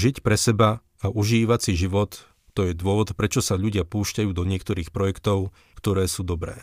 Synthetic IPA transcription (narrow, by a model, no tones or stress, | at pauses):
ʒicpɾɛsɛba | aʔuʒiːʋat͡siʒiʋɔt̪ː | ɔjɛd̪ʊɔʋɔt̪pɾɛt͡ʃɔsaʎuɟɪapuːʃcajuːd̪ɔɲɪɛkt̪ɔɾiːxpɾɔjɛkt̪ɔʊ | kt̪ɔɾɛːsuːd̪ɔbɾɛ̰ː